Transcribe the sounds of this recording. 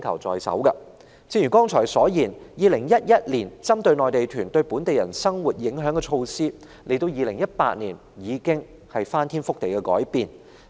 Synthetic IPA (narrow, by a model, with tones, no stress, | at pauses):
kʰɐ˨˩wt͡sɔ̰ː˨jsɐ̰˨˥wkɐ˧ | t͡sʰiː˧˥njyː˨˩kɔː˥ŋt͡ʃʰɔː˨˩jsɔː˨˥jiː˨˩njiː˨lɪ˨˩ŋjɐ˥t̚jɐ˥t̚liː˨˩nt͡sɐ˥mt̪ɵ˧ɥnɔː˨jt̪e˨jt̪ʰyː˨˩nt̪ɵ˧ɥpuː˨˥nt̪e˨jɐ̰˨˩nsɐ˥ŋwuː˨˩t̚jɪ˨˥ŋɦœː˨˥ŋkɛ˧t͡ʃʰo˧wsiː˥ | lʔe˨˩jt̪o˧wjiː˨˧lɪ˨˩ŋjɐ˥t̚pa̰ː˧t̚niː˨˩n | jiː˨˧kɪ˥ŋ | hɐ˨jfaː˥nt̪ʰiː˥nfʊ˥k̚t̪e˨jkɛ˧kɔ̰ː˨˥jpiː˨n